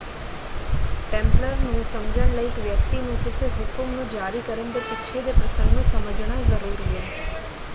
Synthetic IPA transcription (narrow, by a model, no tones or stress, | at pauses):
ʈẽmpləɾnũsə̃ŋd͡ʒəɳləikʋjəkt̪inũkɪseɦʊkumnũd͡ʒaɾikəɾəɳbəɾɪtːʃʰed̪epɾəsə̃ŋɡnũsəməd͡ʒɳ̃azəɾuɾiɦe